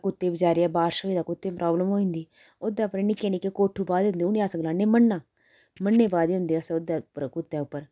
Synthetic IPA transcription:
kʊt̪ːeːbɪd͡ʒaːɾeɛːbaːɾʃoːiːd̪aːkʊt̪ːeːpɾʔɔːbləmɦoːĩnd̪iː | od̪aːpɾenɪkːeːnɪkekoːʈʰːuːbaːd̪ɦʊ̃nd̪eːʊnĩaːsəɡlaːneːmənːaː | mənːeːbaːd̪eːɦʊ̃nd̪eːasʊd̪apkʊt̪ːɛːʊpːəɾ

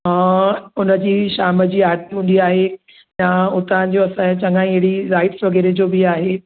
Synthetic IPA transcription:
ɦãːʊnəd͡ʑiːʃaːməd͡ʑiːaːɾt̪iɦũːn̆d̪iaːɦe | jaʊt̪ɐãd͡ʑoɐsãt͡ɕɐ̃ŋɡãːĩɐɦɪɽiɾaːɪʈsʋɐɡeːɾed͡ʑobɪaːɦe

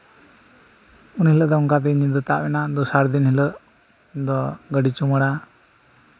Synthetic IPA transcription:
unhiləd̪ɔuŋkat̪̬ɛnid̪ət̪aʔbɛnad̪usaɾd̪inhiləʔ | d̪ɔɡəɖit͡ʃuməɽa

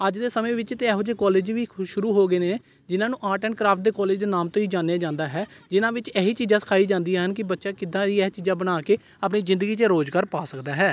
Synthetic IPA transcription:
əd͡ʒd̪eːsəmẽːʋɪt͡ʃt̪eɛːɦoːd͡ʒeːkɔːleːd͡ʒʋiːʃʊɾuːɦoːɡəeːneː | d͡ʒɪnãːnũːʔaːʈəːɳkɾaːpʰʈ̚d̪eːkɔːleːd͡ʒd̪eːnaːmt̪õːiːd͡ʒaːnejaːd͡ʒãːnd̪aːɦɛːd͡ʒɪnãːʋɪt͡ʃɛːɦiːt͡ʃiːzãːsə̥kʰaːiːd͡ʒãːnd̪iːaːɦənkɪbətːʃaːkɪd̪ãːd̪iːɛːt͡ʃiːzãːbənaːkeː | əp̬niːzɪ̃nd̪əɡiːt͡ʃəɾoːzɡaːɾpaːsəkd̪aːɦɛː

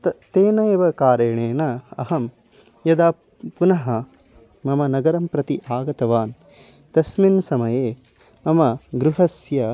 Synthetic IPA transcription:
t̪t̪eːnɐjeʋɐkaːɾɐɳeːnɐɐ̰ɦɐm | jɐd̪aː | punɐɦɐ | mɐmɐnɐɡɐɾɐmpɾɐt̪iʔaːɡɐt̪ɐʋaːn | t̪ɐsminsɐmɐjeː | mɐmɐɡɾuɦɐsjɐ

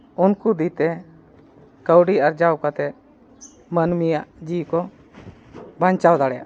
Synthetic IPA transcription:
unkud̪it̪ɛ | kəwɖiaɾd͡ʒawkat̪ɛt̪̚ | mənmijaʔd͡ʒikɔ | baɲt͡ʃawd̪aɽɛja̰ʔ

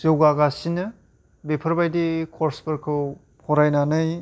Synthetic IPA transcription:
zewɡaɡasinɯ | bepʰɯɾbajdikʰɔɾsbɯɾkʰɯw | pʰɔɾajnanɯj

